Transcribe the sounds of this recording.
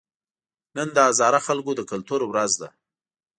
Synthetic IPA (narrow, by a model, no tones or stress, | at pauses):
nənd̪əazɑɾaxalkod̪əkalt̪uɾwɾazd̪a